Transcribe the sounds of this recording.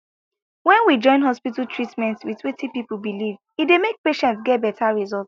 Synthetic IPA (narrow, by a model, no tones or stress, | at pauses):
wɛ̃nwid͡ʒɔ̃ɪ̃nɦɔspitaltʰɹitmɛ̃ntswitʰwẽtipipubiliv | idemek̚peʃɛ̃ntsɡɛt̚bɛtʰaɹizɔlt